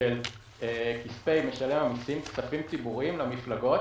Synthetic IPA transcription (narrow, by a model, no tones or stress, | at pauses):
el | ekispejme̞ʃale̞mhamisimkt͡safimt͡sibuʁimlamiflaɡo̞